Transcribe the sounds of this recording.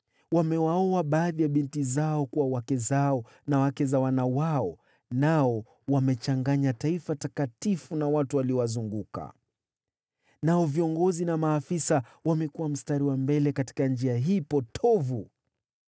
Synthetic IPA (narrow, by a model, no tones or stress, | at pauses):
wamɛwaɔaɓaːðijaɓintizaɔkuwawakɛzaɔ | nawakɛzawanawaɔ | naɔ | wamɛt͡ʃaŋɡaɲataifatakatifunawatuwaliɔwazuŋɡuka̰ | naɔviɔŋɡɔzinamaːfisa | wamɛkuwam̩staɾiwambɛlɛkati̥kand͡ʒiaɦiːpɔtʰɔvu